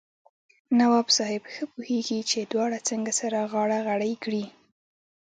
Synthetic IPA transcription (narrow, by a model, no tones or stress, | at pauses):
nawɑbsɑhɪbxəpuheɡit͡ʃed̪wɑɽat͡səŋɡasaɾaɣɑɽaɣaɽajkɽi